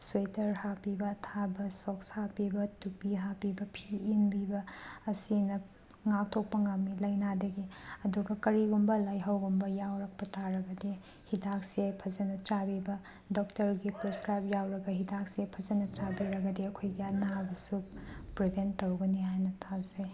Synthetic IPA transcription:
swejtɐɾhapibɐːtʰabɐsokshapibɐtupiɦapibɐpʰiːnbibɐːsinɐ | ŋak̚tʰok̚pɐŋamnilɐjnadɐɡiɐduɡɐkɐɾiɡumbɐlajɦɐwɡumbɐjawɾɐk̚pɐtʰaɾɐɡɐdi | hidak̚sepʰɐzɐnɐt͡ʃabibɐ | dok̚tɐɾɡipɾeskɾajp̚jawɾɐɡɐɦidak̚sepʰɐzɐnɐt͡ʃabiɾɐɡɐdiɐkʰojɡijanɐɦabɐsupɾibʱentːowɡɐniɦajnɐtʰazaj

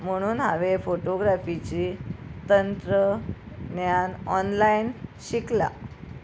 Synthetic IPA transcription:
m̤əɽ̃uːnɦa̰ʋefoʈoɡɾafit͡ɕiːt̪ənt̪ɾə | njanɔnlainɕikla̰

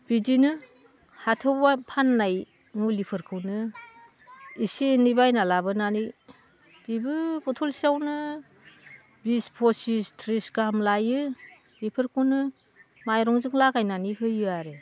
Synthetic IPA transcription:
b̥idinɯ | hatʰɯwbapʰanːaj | ŋulipʰɯɾkʰɯwnɯ | isinibajnalabɯnani | b̥ibɯbɔtʰɔlsiawnɯ | bispʰɔsistʰɾiskaamlajɯ | lipʰɯɾkʰɯwnɯ | majɾɔŋzɯŋlaɡajnanihɯjɯaɾe

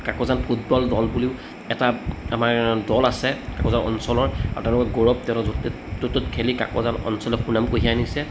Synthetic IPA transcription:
kakɔzanpʰut̚bɔldɔlbuliʊ | ɛtaamaɹdɔlasɛkakɔzanɔ̰nsɔlɔɹa̰ɹṵtɛ̃ʊ̃lʊkɔɡoɹɔb̚tɛ̃nɔ | tototkʰelika̰kɔ̰zanɔ̰nsɔlɛxunamkoɦianisɛ

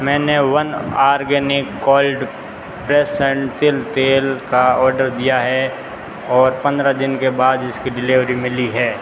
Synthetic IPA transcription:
mɛ̃ːneʋɐnaːɾɡɛːnɪkːɔːlɖ | pɾeːsə̃ɳʈt̪ɪlt̪eːlkaɔːɾɖəɾd̪ijaɦɛ | ɔːɾpɐ̃nd̪ɾad̪ɪnkebaːd̪ɪskiɖɪlɪʋɾimɪliɦɛː

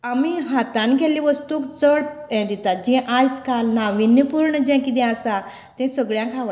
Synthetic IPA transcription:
amiɦat̪ãnkɛlĩʋəst̪uːkt͡səɽɛ̃d̪it̪ad͡ʑĩʔajskalnaʋinjəpuɾɳəd͡ʑɛ̃kid̪ɛ̃asa | t̪ɛ̃səɡɭjãkʰaʋ

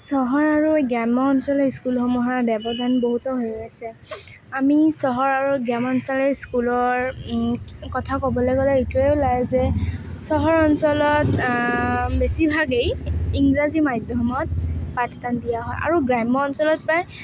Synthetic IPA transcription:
sɔɦɔɹaɹuɡɹamɔɔnsɔlɔiskulxɔmuɦaɹbɛbɔdʱanboɦutɔɦojɡasɛ | amisɔɦɔɹaɹuɡɹamɔnsɔlɛskulɔɹ | kɔtʰakɔbɔlɔjɡɔlɛejtueʊlajzɛ | sɔɦɔɹɔnsɔlɔt | besibʱaɡejiŋɡɹazimajdʱjɔmɔt̚patʰdandijaɦɔjʔa̰ɹuɡɹamːɔɔnsɔlɔt̚pɹaj

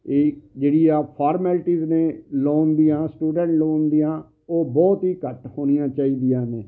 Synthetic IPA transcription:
eːd͡ʒeːɽijaːpʰaːɾmɛːlʈiːznẽːloːnd̪iːãːsʈuːɖɛ̃ɳʈloːnd̪ijãː | oːbɔːt̪ɦiːkəʈhoːnijãːt͡ʃaːiːd̪ijãːneː

